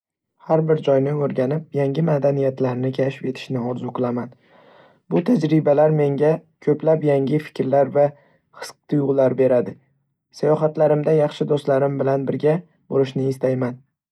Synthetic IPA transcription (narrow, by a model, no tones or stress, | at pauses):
haɾbɪɾd͡ʒɒjnɪoɾɡʲanɪp̚jaŋɡʲɪmad̪anijat̪ʰlaɾnɪkʲʰaʃɪ̥pje̞t̪ʰɪ̥ʃnɪɒɾzʊqʰɨlˠaman | b̥ʊt̪ʰad͡ʒɾɪbalaɾme̞ŋɡʲakʲʰɵplapjaŋʲɪfɪ̥kʲɾlaɾva | χɨ̥sqt̪ʰʊjʊʁlˠaɾbe̞ɾad̪ɪ | sajɒɦat̪laɾɪmd̪ajɑχʃɪd̪ost̪laɾɪmbɪlanbɪɾɡʲa | boɾɪʃnɪːst̪ajman